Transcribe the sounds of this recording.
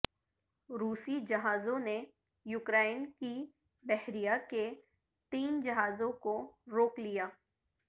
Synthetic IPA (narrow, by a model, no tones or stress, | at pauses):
ɾuːsid͡ʒɐɦaːzõne | juːkɾaːɪnki | bɛɦɾijake | t̪iːnd͡ʒɐɦaːzõkoɾoːklijaː